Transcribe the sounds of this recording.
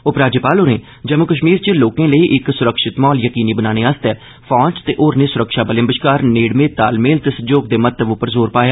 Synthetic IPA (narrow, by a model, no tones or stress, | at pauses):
ʊpɾaːd͡ʒəːpaːloːɾẽː | d͡ʒəmʊkəʃ̬miːɾt͡ʃəloːkẽːləiːʔɪksʊɾəkʃɪt̪mɔːljəkiːniːbənaːñeːast̪ɛː | pʰɔːt͡ʃt̪eːʔoːɾneːsʊɾəkʃaːbəlɪ̃ə̃mbəʃkaːɾneːɽmẽːt̪aːlmeːlt̪eːsəd͡ʒoːɡ̚d̪eːmət̪ːəbʊpːəɾzoːɾpaːjaː